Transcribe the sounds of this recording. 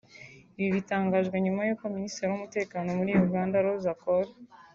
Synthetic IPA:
iβiβitaːŋɡaʒɡweɲumajokwoministeɾiwumute̞ːkaːno̞muɾiːjuɡaːndaɾozakoɾa

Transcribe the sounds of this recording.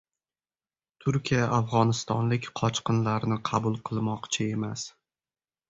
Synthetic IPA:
t̪ʰʊɾkʲijaʔafʁɒnɪst̪ɒnlɪkʲqʰɒt͡ʃqɨnlaɾnɪqʰɑbʊlˠqʰɨlˠmɒqt͡ʃʰae̞mas

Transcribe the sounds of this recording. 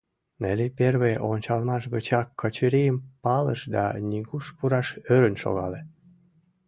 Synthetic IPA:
neleperβejʔonʲt͡ɕɑlmɑʃɣət͡ɕɑkːət͡ɕəɾijəmpɑlə̰ʃd̪ɑ̰nʲiɣuʃpuɾɑʃøɾənʃo̰ɣɑle

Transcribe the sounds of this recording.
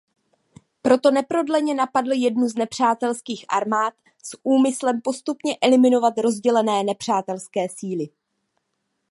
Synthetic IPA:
pɾo̞t̪o̞nɛpɾo̞dlɛɲɛnapadl̩jɛdnuznɛpr̝̥aːt̪ɛlskiːxʔa̰ɾmaːt̪ | sʔuːmɪslɛmpo̞st̪upɲɛʔɛlɪmɪno̞vat̪ɾo̞zɟɛlɛnɛːnɛpr̝̥aːt̪ɛlskɛːsiːlɪ

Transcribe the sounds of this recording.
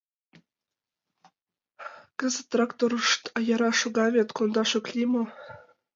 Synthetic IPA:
kə̆zət̪ːrɑkt̪oɾuʃt̪ɑjɑɾɑʃoɡɑvʲet̪kond̪ɑʃoklʲimo

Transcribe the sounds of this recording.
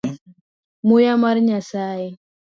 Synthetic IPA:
mujamaɾɲasaːje

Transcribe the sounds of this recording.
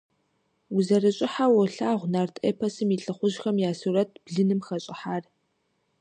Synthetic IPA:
uzɐrɨɕʼɪħawɔɬaːʁʷnaːrtʰḛːpʰɐsɨmiɬʼɨχʷʊʑxɐmjaːsurɐtʰb̥ɮɨnɨmxɐɕʼɪħaːr

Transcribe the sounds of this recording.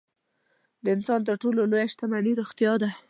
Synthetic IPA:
d̪əɪnsɑnt̪əɾʈololojaʃt̪amaniɾoxt̪jɑd̪a

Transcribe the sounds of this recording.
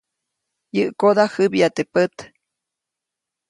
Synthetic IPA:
jɨʔkod̪ahɨbjat̪epət̪

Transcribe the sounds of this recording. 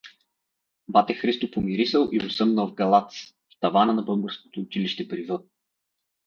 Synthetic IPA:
bat̪ɛxɾist̪opomiɾisəlˠiʊsɤmnəlˠvɡɐlˠat̪s | ft̪ɐvanənɐbɤboɾsko̥t̪oːt͡ʃiliʃt̪ɛpɾivə

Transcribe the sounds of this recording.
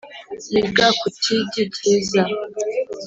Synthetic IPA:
iɡakutʰiɟiciza

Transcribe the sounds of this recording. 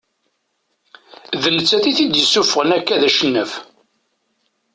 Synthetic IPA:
ðənət͡sːæθiθid̪jəsːufəʁənækːæðæʃənːəf

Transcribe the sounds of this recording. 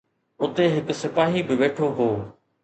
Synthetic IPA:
ʊt̪eɦɪksɪpaːɦibɪʋeːʈʰoɦoː

